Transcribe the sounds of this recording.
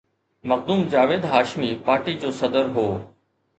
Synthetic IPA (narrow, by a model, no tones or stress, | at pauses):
mɐkd̪uːmd͡ʑaːʋeːd̪ɦaːʃmiːpaːɾʈiːd͡ʑoːsɐd̪əɾɦoː